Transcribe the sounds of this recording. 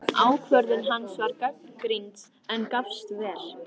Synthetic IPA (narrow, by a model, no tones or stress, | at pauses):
aːwkʰvœɾðʏnɦanːsvaɾkœk̚nkɾint̪s | ɛnkafst̪vɛːl̥